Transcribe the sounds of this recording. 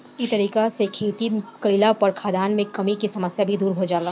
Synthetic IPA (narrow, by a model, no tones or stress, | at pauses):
it̪ɐɾiːkasekʰeːt̪ikɐɪlapɐɾkʰaːd̪aːnmẽkɐmikisɐməsjabʱid̪uːɾɦod͡ʒaːla